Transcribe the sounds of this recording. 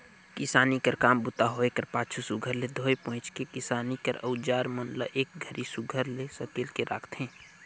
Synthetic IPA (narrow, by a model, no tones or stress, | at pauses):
kɪsaːnikəɾkaːmbʊt̪aɦoːekəɾpaːt͡ʃʰusʊɡʱəɾled̪ʱoːepɔ̃ɦt͡ʃkekɪsaːnikəɾə̰ʊd͡ʒaːɾmənlə̰ʔeːk̚ɡʱəɾisʊɡʱəɾlesəkeːlkeɾʔa̰ːkʰt̪ɦɛ̃ː